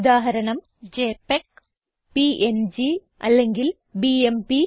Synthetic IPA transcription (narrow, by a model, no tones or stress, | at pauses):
d̪aːɦɐɾɐɳɐm | d͡ʑeːpek | piʔend͡ʑi | ʔɐlːeŋɡil | biempi